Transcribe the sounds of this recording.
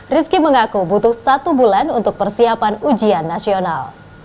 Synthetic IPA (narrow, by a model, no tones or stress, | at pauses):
riskiməŋakubut̪ʊhsat̪ubulanunt̪ʊk̚pərsiapanud͡ʒianːasiona̰l